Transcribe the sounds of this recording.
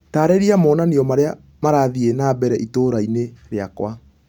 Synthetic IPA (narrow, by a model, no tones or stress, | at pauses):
taːɾeɾiamɔːnaniɔmaɾea | maɾaːðienaːbɛɾɛʔitoːɾaineɾeakwa